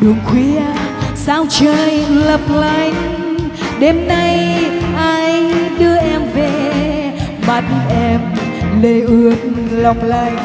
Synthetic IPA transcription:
ɗɨ˨˩əŋxwi˧˦əsaː˧wt͡ɕəː˧˨jlə˨˩p̚lə˧˩jŋ̟ | ɗe˧˩mna˧jʔaː˧jɗɨ˧əʔɛ˧mve˨˩ | ɓa˨˩t̚ʔɛ˧mle˧˩ʔɨ˧˩ət̚la˨˩wk͡p̚laː˧˩j

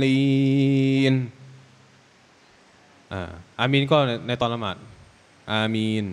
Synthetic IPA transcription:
liː˧ | n | ʔaː˧˩ʔaː˧miː˧nkɔː˥˩˧na˧jt̪ɔː˧nla˧ma̰ː˨˩t̪̚ | ʔaː˧miː˧n

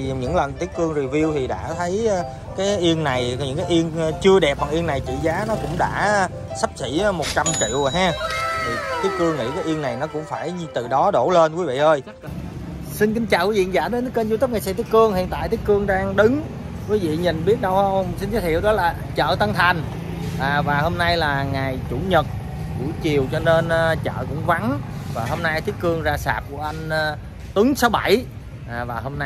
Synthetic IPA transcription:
ɲɨ̰˧˥ŋlə˨˩nt̪i˦˥ək̚kɨ˧əŋzi˨˩vi˧əwt̪ʰi˨˩ɗa̰ː˧˥t̪ʰə˨˦j | kaː˨˦jʔi˧əŋna˨˩jɲɨ̰˧˥ŋkaː˨˦jʔi˧ənt͡ɕɨ˧əɗɛ˨˩p̚a˨˩ŋʔi˧əŋnːa˨˩jt͡ɕḭ˧˨zaː˨˦nɔ˨˦kʊ̰˧˥ŋ͡mɗa̰ː˧˥˧ | sa˦˥p̚sḭ˧˩˥mo˨˩t̚t͡ɕa˧mt͡ɕḭ˧˨əwɦaː˧t̪ʰi˨˩t̪ʰi˨˦˥ək̚kɨ˧əŋːḭ˧˥kaː˨˦jʔi˧əŋna˨˩jnɔ˨˦kʊ̰˧˥ŋ͡mfaː˧˩jt̪ɨ˨˩ɗɔ˨˦ɗo˧˩le˧nkwi˨˦vḭ˧˨ʔəː˧j | si˧nkï˨˦ŋ̟t͡ɕaː˨wi˨˦vḭ˧˨ŋzaː˧˩ɗe˨˦nt̪i˦˥kə˧nzt̪ə˦˥p̚ŋa˨˩sa˧˥t̪i˦˥kɨ˧əŋhḭ˧˨ənt̪a̰ː˧˨jt̪i˦˥k̚ɨ˧əŋɗaː˧ŋɗɨ˨˦ŋ | kwi˨˦vḭ˧˨ɲi˨˩nɓi˦˥ət̚ɗə˧wsi˧nt͡ɕ̪aː˨˦˥t̪ʰḭ˧˨əwɗɔ˨˦laː˨˩ | t͡ɕə̰ː˧˨t̪ə˧ŋt̪ʰa˨˩jŋ̟ | ʔːvaː˨˩ho˧mna˧jlaː˨˩ŋaː˨˩jt͡ɕu˧˩ɲə˨˩t̚ | ɗṵ˧˩˦t͡ɕi˨˩əwt͡ɕɔ˧ne˧nː˧t͡ɕə̰ː˧˨kʊ̰˧˥ŋ͡mva˨˦nvaː˨˩ho˧mna˧jt̪ʰi˨˦˥ək̚kɨ˧əŋzaː˧saː˨˩p̚ku˧˩əʔa˧ŋ̟˧ | t̪ɨ˨˦ŋso˨˦wɓa˧˩j | ʔːvaː˨˩ho˧mna˧

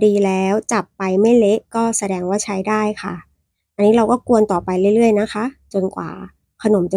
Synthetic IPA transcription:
diː˧lɛː˦˥wt͡ɕa˨˩pːa˧jma˥˩jle˦˥ʔkɔː˥˩sa˧dɛː˧ŋwaː˥˩t͡ɕʰa˦˥jdaː˥˩jkʰa̰˥˩ | ʔa˧nːiː˦˥ɾa˧wkɔː˥˩ku˧ənt̪ɔː˨˩pa˧jlɯ˥˩˦ɾɯ˥˩əjna˦˥kʰa˦˥t͡ɕo˧nkwa̰ː˨˩ | kʰa˧no˩˦mt͡ɕa˨˧

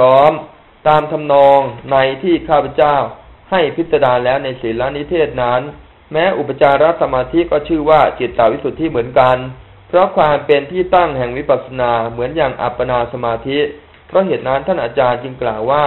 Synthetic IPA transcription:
ɔː˦˥m | t̪aː˧mt̪ʰa˧mnɔː˧ŋna˧jt̪ʰiː˥˩kʰaː˥˩pʰa˧˩t͡ɕaː˥˩w | ha˥˩jpʰi˦˥t̪̚sa˧daː˧nlɛː˦˥wna˧jsiː˩˦la˦˥ni˦˥t̪ʰeː˥˩t̪̚na˦˥n | mɛː˦˥ʔu˨˩pːa˧˩t͡ɕaː˧nɾa˦˥t̪̚sa˧maː˧t̪ʰi˦˥kɔː˥˩t͡ɕʰɯː˥˩waː˥˩t͡ɕi˨˩t̪ːaː˨˩wi˦˥su˨˩t̪ʰːiː˥˩mɯ˩˦ənka˧n | pʰɾɔ˦˥kʰwaː˧mpe˧nt̪ʰiː˥˩t̪a˥˩ŋhɛ˨˩ŋwi˦˥pa˨t̪̚sa˧naː˧mɯ˩˦ənjaː˨˩ŋʔa̰˨˩pːa˧naː˧sa˧maː˧t̪ʰi˦˥ | pʰɾɔ˦˥ɦeː˨˩t̪̚na˦˥nt̪ʰaː˥˩nʔaː˧t͡ɕaː˧nt͡ɕɯ˧ŋklaː˨˩wːaː˥˩

